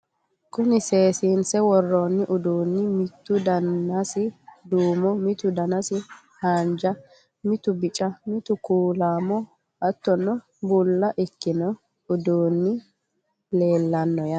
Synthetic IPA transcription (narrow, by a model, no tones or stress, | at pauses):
kʊnɪse̞ːsiːnsɛwɔrːoːnːɪʔʊd̪uːnːɪmɪt̪ːʊd̪ɐnɐsɪd̪uːmɔmɪt̪ʊd̪ɐnɐsɪ | haːnd͡ʒɐ | mɪt̪ʊbɪt͡ʃʼɐmɪt̪ʊkuːlaːmɔ | ɐt̪ːɔnːɔ | bʊlːɐʔɪkːɪnɔ | ʊd̪uːnːɪ | le̞ːlːɐnːɔjɐ